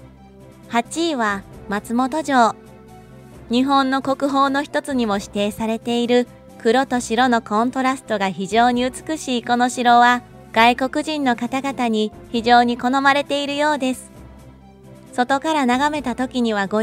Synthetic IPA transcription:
hat͡ɕiːβamat͡sɨmo̞t̪o̞ʑo̞ː | ɲ̟iɦõ̞nːo̞ko̞kɯ̟ɦo̞ːno̞çʲi̥t̪o̞t͡sɨɲ̟imo̞ɕi̥t̪e̞ːsaɾe̞t̪e̞iɾɯ̟ | kɯ̟ɾo̞t̪o̞ɕiɾo̞no̞kõ̞nt̪o̞ɾasɨ̥t̪o̞ɡaçiʑo̞ːɲ̟iɯ̟t͡sɨ̥kɯ̟ɕiːko̞no̞ɕiɾo̞βa | ɡ̥aiko̞kɯ̟ʑĩnːo̞kat̪aɡat̪aɲ̟içiʑo̞ːɲ̟iko̞no̞maɾe̞t̪e̞iɾɯ̟jo̞ːd̪e̞sɨ̥ | so̞t̪o̞kaɾanaɡame̞t̪at̪o̞kʲiɲ̟iβaɡo

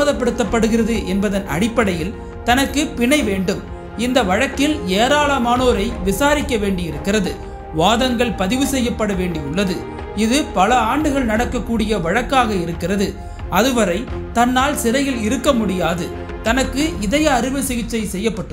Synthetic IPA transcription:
ðɐpːɐɽɯt̪ːɐpːɐɽɯɣɪɾɐðɯʔɛnbɐðɐnʔɐ̰ɽɪpːɐɽɐjɪl | t̪ɐnɐkːɯpɪɳɐɪʋeːɳɖɯm | ɪnd̪ɐʋɐɻɐkːɪleːɾaːlɐmaːnoːɾɐɪʋɪsaːɾɪkːɐʋeːɳɖɪɪɾɯkːɪrɐðɯ | ʋaːðɐŋɡɐɭpɐðɪʋɯsɛjːɐpːɐɽɐʋeːɳɖɪʊɭːɐðɯ | ɪðɯpɐlɐaːɳɖɯɣɐɭnɐɽɐkːɐkːuːɽɪjɐʋɐɻɐkːaːɣɐɪɾɯkːɪrɐðɯ | ɐðɯʋɐɾɐɪt̪ɐnːaːlsɪɾɐjɪlɪɾɯkːɐmʊɽɪjaːðɯ | t̪ɐnɐkːɯɪðɐjɐːɾɪʋɯsɪɣɪt͡ʃːɐɪsɛjːɐpːɐʈːɯ

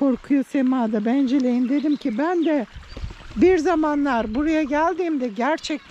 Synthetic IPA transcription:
o̞ɾkʰujosemaːd̪abænd͡ʒelʲejimd̪e̞d̪imcʰibænd̪ɛ | biɾzamanlˠaɾbuɾajaɟælʲd̪iːmd̪ɛɟæɾt͡ʃʰɛc̚t̪ʰ

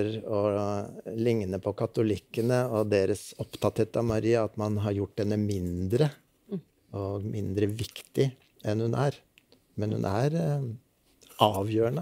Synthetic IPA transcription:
ɾɔ | lɪŋnəpʰɔkʰɑt̪ʊlɪkːənəɔd̪eːɾəsɔpt̪ʰɑt̪heːt̪ɑʋmɑɾiːɑɑt̪mɑnɦɑɾjʊʈːd̪ɛnːəmɪnd̪ɾə | ɔɡmɪnd̪ɾəʋɪkt̪ɪ | ɛnhʉnʔæːɾ | mɛnhʉ̰nʔæɾ | ʔɑːʋjøːɳə

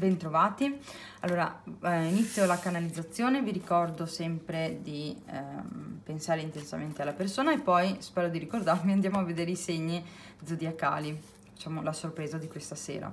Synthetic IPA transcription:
bɛnt̪ɾovaːt̪i | a̰lːoːɾa̰init̪sːjolakanalid̪zːat̪sːjoːneviɾikɔrd̪osɛmpɾed̪i | pensaːɾeint̪ensa̰ment̪ealːapersoːnaepːɔjspɛːɾod̪iɾikord̪armiand̪jaːmoavːed̪eːɾeiseɲːi | d̪zod̪iaka̰ːli | d̪̥it͡ʃaːmolasorpɾeːzad̪ikwest̪asḛːɾa̰

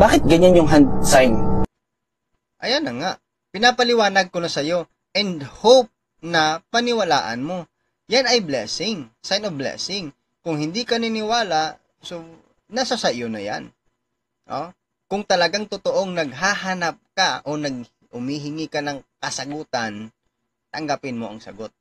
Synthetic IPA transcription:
baːkɪt̪̚ɡɐɲanjʊŋɦand̪̚sajn | ʔɐjanɐŋaʔ | pɪnapɐlɪwaːnɐɡ̚konɐsɐjo̞ | ʔɛnd̪hop̚ | nɐpɐnɪwɐla̰ːʔɐ̰nmo̞ | janɐjblɛ̰sɪŋsajnovblɛ̰sɪŋ | kʊŋhɪnd̪ikɐnɪnɪwaːlaʔ | so | nɐsasɐjonɐja̰n | ʔo | kʊŋt̪ɐlɐɡaŋt̪ʊt̪oʔoŋnɐɡ̚ɦaɦanap̚kaʔonɐɡ̚ | hʊmiɦɪŋikanɐŋkɐsɐɡuːt̪an | t̪ɐŋɡapɪnmoʔɐ̰ŋsɐ̰ɡot̪̚

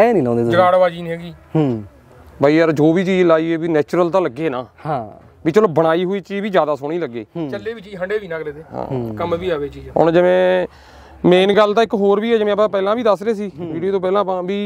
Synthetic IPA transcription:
ɛːnĩːlãːnd̪eːd͡ʒəɡaːɽʋaːd͡ʒiːnĩːəɡiː | bʱaːiːəɾd͡ʒoːbiːt͡ʃiːd͡ʒlaːiːɛːbiːnɛːt͡ʃɾəlt̪ãːləɡːeːnaːhã | biːt͡ʃəlbəɽ̃aːiːɦoːiːt͡ʃiːʋiːd͡ʒjaːd̪aːsoːɽ̃iːləɡːḛːt͡ʃəlːeːbiːt͡ʃiːd͡ʒɦəɳɖeːʋiːnãːkɾeːt̪eːɦã̰ːkəmʋiːaːʋeːt͡ʃiːd͡ʒɦʊ̰ɳd͡ʒɪʋẽː | meːnɡəlt̪ãːɪkɦoːɾbiːɛːd͡ʒɪʋẽːəpãːpɛːlãːbiːd̪əsɾeːsiːʋiːɖioːt̪õːpɛːlãːpãːbiː

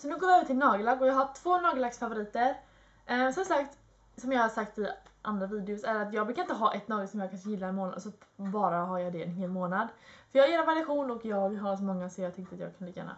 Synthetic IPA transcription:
sɔnʉ̟ɡoːvɪœːvəʈʰɪlnɑːɡəlakːɔjɑɦaʈʰv̥oːnɑːɡlaksfavʊɾiːt̪əɾ | sɔmsakt̪ | sɔmjɑːɡhaʂakt̪ɪʔa̰nd̪ɾaviːd̪ɛʊsæɾat̪jɑːɡbɾʉkːaɪnt̪əɦɑːʔɛt̪nɑːɡəsɔmjɑːɡkʰanʂəjɪlːaɛnmoːna̰d̪sɔbɑːɾaɦajɑd̪ɛɛ̰nɦeːlmoːnad̪fœɾjɑːɡeːɾavaɾaɧuːnɔkjɑːɡɦas̬ɔmɔŋːasɔjɑːɡ̚t̪ʏk̚t̪əat̪jɑ̰ɡkʰɵnd̪əjɛ̰ːna̰

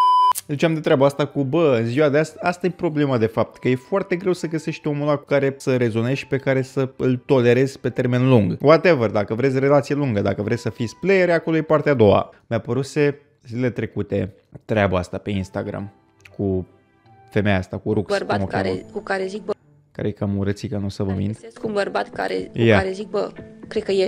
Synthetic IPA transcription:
zit͡ʃamd̪e̞t̪ɾeabəast̪akubəɨnziwad̪east̪ast̪ajepɾo̞ble̞mad̪e̞fap̚t̪kəje̞foart̪e̞ɡɾe̞wsəɡəse̞ʃt̪omulaku̥kaɾe̞səɾe̞zo̞nʃi̥pe̞kaɾe̞səɨlt̪o̞le̞ɾe̞z̥ʲpe̞t̪e̞rme̞nluŋɡwat̪evərd̪akəvɾesʲre̞lat̪sijeluŋɡəd̪akəvɾe̞t̪sʲsəfisʲplejeɾeakolo̞jepart̪ead̪o̞wa̰meapəɾuse̞ | zileet̪ɾe̞kut̪e̞ | t̪ɾeabəast̪ape̞inst̪aɡɾa̰m | ku | fe̞mejast̪akuɾukssrbamoka̰ɾḛkukaɾezik̚bə | ka̰ɾejekamuɾət̪sikənusəvəmḭnd̪skunbərbat̪ka̰ɾḛkujaaɾezik̚bəkɾed̪̚kəje

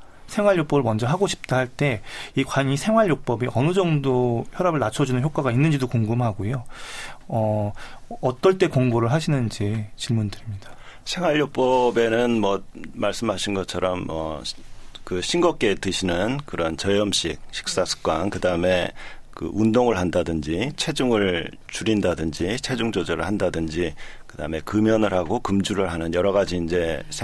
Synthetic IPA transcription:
sʰe̞ŋwaɭjok̚p͈ʌbɯɭmʌnd͡ʑʌɦaɡoɕʰi̥p̚t͈ahaɭt͈e̞ikwaɲisʰe̞ŋɦwaɭjok̚p͈ʌbiʔʌnɯd͡ʑʌŋdoçjʌɾabɯɭnat͡ɕʰʌd͡ʑunɯnçjok͈waɡainːɯnd͡ʑidokuoŋɡumɦaɡojo | ʌː | t͈ʌɭt͈e̞koŋɡoɾɯɭɦaɕʰinɯnid͡ʑet͡ɕiɭmundɯɾimɲid̥ḁsʰeŋwaʎːuk̚p͈ʌbe̞nɯnmʌmaɭs͈ɯmɦaɕʰinɡʌt͡ɕʰʌɾʌmːʌ̰ | kɯɕʰinɡʌk͈e̞tɯɕʰinɯnkɯɾʌnt͡ɕʌjʌmɕ͈ik̚ɕʰi̥k̚s͈asʰɯ̥k͈wankɯdaɯme̞kɯ̰ʔundoŋɯɭhandadɯnd͡ʑit͡ɕʰe̞d͡ʑuŋɯɭ | t͡ɕuɾindadɯnd͡ʑit͡ɕʰe̞d͡ʑuŋd͡ʑod͡ʑʌɾɯ̰ɭhandadɯnd͡ʑikɯda̰ɯme̞kɯmjʌnɯɭɦaɡokɯmd͡ʑuɾɯɭɦanɯnjʌɾʌɣad͡ʑiːnd͡ʑe̞sʰ

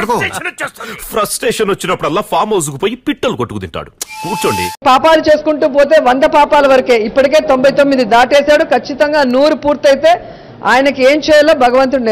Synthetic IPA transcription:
pʰɾɐsʈeːʂɐnʋɐt͡ʃːinɐpːuɽɐlːaːpʰaːɾmɐːsukupoːjipiʈːɐlːukoʈːukud̪iɳʈa̰ːɽukuːɾt͡ʃoːɳɖḭpaːpaːlut͡ʃe̞ːsukuɳʈuːp̬o̞ːt̪e̞ːʋɐnd̪ɐpaːpaːlɐʋɐɾɐke̞ːipːɐʈike̞ːt̪o̞mbʱɐjt̪o̞mːid̪id̪aːʈeːsaːɽukʰɐt͡ʃːit̪ɐŋɡaːnuːɾupuːɾt̪ɐjt̪e̞ː | a̰ːjɐnɐke̞ːmt͡ʃɛːjɐlaːbʱɐɡɐʋɐnt̪̬un

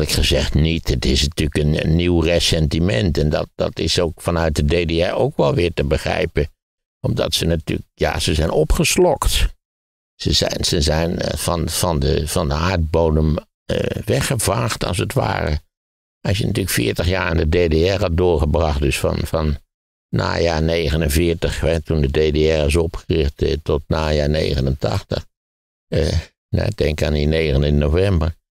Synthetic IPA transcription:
ləkχəzɛχtnitətɪsnatyləkənə̰nːiwresɛntimɛ̰ntɛndɑ̰t̚d̥ɑ̰tɪsoːkfɑnœɥt̚dədeːdeɛɹoʊkʋɛlˠʋɪːɹtəbəχrɛ̰jpə | ɔmdɑ̰tsənaty̰k̚ja̰ːz̥əzɛjnɔpχəslɔkt | səzɛ̰nsəzɛjnfɑnfɑndəfɑndəaːɹd̚bowdəm | ə̰ʋɛxəvaːxtɑ̰lˠs̬ətʋa̰ːrə̰ | ɑsjənɑtyːləkfɪːɹtəxjaːɹandədeːdeɛrhɑt̚dʊːɹχəbrɑχt̚døsfɑ̰nfɑnː | a̰ːjaːɹneːɣənənvɪɹtəχʋɛtundədeːdeɛrɪs̬ɔpxərɪxttɔtnaːjaːɹnḛːɣənəntɑ̰xtə̰χ | nɛ̰dɛŋkaːnineːɣənɪnnovɛmbər

